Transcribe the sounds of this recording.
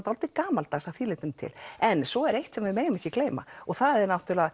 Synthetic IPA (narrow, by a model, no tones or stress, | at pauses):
t̪hɔlt̪ɪkaːmalt̪asawθiːlɪːt̪ʏmt̪ʰɪ̰lɛnsɔɛɾejht̪sɛmvɪmeːjɣʏmɛhcːɪkleːjma̰ɔɣθaðɛɾnawt̪ʏlaa